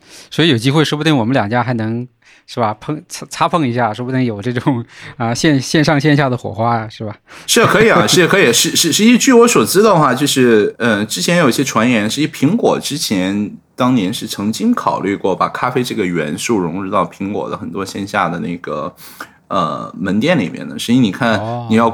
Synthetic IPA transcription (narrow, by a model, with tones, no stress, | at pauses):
swi˧˥jo˨˩ʊt͡ɕi˥xwɪʂɻ̩˥pu˧t̪i˥˩ŋwɔ˨˩mə˦ljɑ˨˩ŋt͡ɕja˥xa˧˥ɪnɤ˧˥ŋ | ʂɻ̩˥˩bɐ˩pʰɤ˥˧ŋt͡sʰt͡sʰa˥pʰɤ˥˧ŋi˧˥ɕ̬ja˥˩ʂɻ̩˥bu˧t̪i˥ŋjo˨˩ʊʈ͡ʂɤ˥˩ʈ͡ʂʊ˨˩ŋə˧ɕjɛ˥˧nɕjɛ˥˧nʂɑ˥˧ŋɕjɛ˥˧nɕ̬ja˥˩d̪ə˩xwɔ̰˨˩xwa˥˩ʂɻ̩˥˩bɐ˩ʂɻ̩˥˩kʰɤ˧˥i˨˩a˦ʂɻ̩˥˩˥kʰɤ˧˥i˨˩ʂɻ̩˥˧ʂɻ̩˥˧ʂɻ̩˥˧i˥˩t͡ɕy˥˩wɔ˧˥swɔ˨˩t͡sɹ̩˥d̪ə˧˩xwa˥˧˩t͡ɕjo˥˧ʊʂɻ̩˥˩ə˥˧ʈ͡ʂɻ̩˥t͡ɕʰjɛ˧˥njʊi˥˩jɛ˥ʈ͡ʂʰwa˧˥njɛ˧˥nʂɻ̩˥˧i˥˩pʰi˧˥ŋkwɔ̰˨˩ʈ͡ʂɻ̩˥t͡ɕʰjɛ˧˥n | t̪ɑ˥ŋnjɛ˧˥nʂɻ̩˥˩t͡sʰɤ˧˥ŋt͡ɕi˥ŋkʰɑ˨˩ʊly˥˧kwɔ˥˩pa̰˨˩kʰa˥fe˥ɪʈ͡ʂɤ˥˩ɡə˩ɥɛ̰˧˥nsu˥˩ɻʊ˧˥ŋɻu˥˧t̪ɑ˥˩ʊpʰi˧˥ŋkwɔ̰˨˩d̪ə˦xə˨˩nt̪wɔ˥ɕjɛ˥˧nɕja˥˩d̪ə˩ne˥˩ɪɡ̥ə̰˩ | ə̰˧˩mə˧˥nt̪jɛ˥˩nli˨˩mjɛ̰˥˩nd̪ə̰˨˩ʂɻ̩˧˥i˥ni˨˩kʰa˥˩ni˨˩jɑ˥˩ʊ